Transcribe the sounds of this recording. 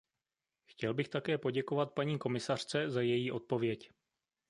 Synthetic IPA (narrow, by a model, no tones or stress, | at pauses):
xcɛlbɪxt̪akɛːpo̞ɟɛko̞vat̪̚paɲiːko̞mɪsar̥t͡sɛzajɛjiːʔo̞t̪̚po̞vjɛc